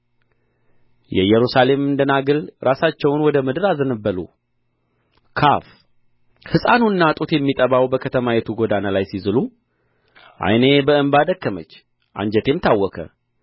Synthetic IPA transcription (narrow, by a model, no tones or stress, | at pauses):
jɛ̰jːɛɾusale̞mɨnd̪ənaɡɨlɾʔasat͡ʃːɛwnwɔd̪əmɨd̪ɨɾazənəbːəlṵ | kʰa̰f | hɨsʼanunːat̪ʼut̪jɛmːit̪ʼəβawbəkʰət̪ʰəmajɛt̪ʰuɡod̪analajsizɨlu | ʔa̰jne̞bəɨmbad̪əkːəmət͡ʃː | ʔa̰ɲd͡ʒɛt̪ʰe̞mt̪ʰawːɔkʰə̰